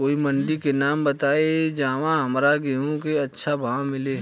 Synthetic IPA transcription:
koːimɐ̃ɳɖikenaːmbɐt̪aːed͡ʒãːʋãɦɐmɾaɡeɦõkeɐtːʃʰabʱãːmɪleː

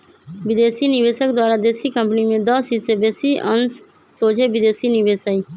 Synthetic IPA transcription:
ʋɪd̪eːsiːnɪʋeːsək̚d̪waːɾaːd̪eːsiːkəmpnimẽːd̪ɔːsiːseːbeːsiːʔənsː | oːd͡ʒeːʋɪd̪eːsiːnɪʋeːsəiː

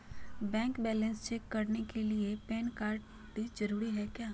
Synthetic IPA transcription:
bɛ̃ːŋkbɛːlə̃nst͡ʃɛːkːɐɾnekeliepɛ̃ːnkaːɾɖ | b̪id͡ʒɐɾuːɾiɦɛkjaː

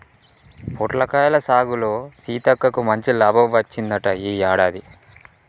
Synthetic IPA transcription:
pʰoʈlɐkaːjɐlɐsaːɡulo̞ːsiːt̪ɐkːɐkumɐɲt͡ʃilaːbʱɐmʋɐt͡ʃːind̪ɐʈɐiːjaːɽaːd̪i

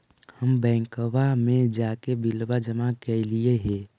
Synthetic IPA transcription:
həmbɛ̃ːŋkəʋamẽd͡ʒaːkebilbad͡ʒəmakelieɦẽ

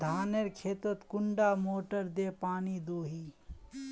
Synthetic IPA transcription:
d̪ʱaːneɾkʰeːt̪ət̪kʊɳɖaːmoːʈəɾd̪eːpaːnid̪oːɦiː

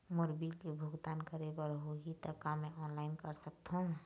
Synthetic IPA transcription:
moɾbilkebʱʊɡd̪aːnkəɾebəɾɦoit̪əkamẽʔɔːnlaɪnkəɾsək̚t̪ɦũ

